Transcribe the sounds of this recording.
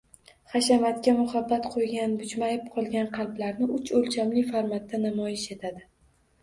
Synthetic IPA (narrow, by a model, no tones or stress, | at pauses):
χaʃamat̪kʲamʊhabːat̪qʰojɡʲanbʊd͡ʒmajɪp̚qʰɒlˠɡʲanqʰɑlˠblaɾnɪʔʊt͡ʃolt͡ʃʰamlɪfaɾmat̪ːanamɒjɪʃe̞t̪ʰad̪ɪ